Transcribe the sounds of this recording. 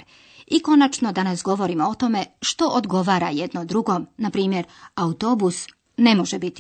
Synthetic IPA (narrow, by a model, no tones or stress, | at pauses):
iko̞nat͡ʃno̞d̪anasɡo̞ʋo̞ɾimoot̪o̞me̞ʃt̪o̞ʔod̪ɡo̞ʋaːɾajed̪nod̪ɾuɡo̞mnapɾiːmje̞ɾaut̪o̞bus | ne̞mo̞ʒebit̪i